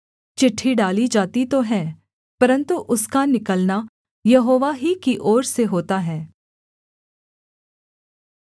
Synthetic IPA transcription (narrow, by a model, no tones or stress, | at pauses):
t͡ʃɪʈʰːiɖaːlid͡ʒaːt̪it̪oɦɛ̃ː | pɐɾə̃nt̪uʔʊskanɪkəlna | jɐɦoːʋaɦikiʔɔːɾseɦoːt̪aɦɛ̃ː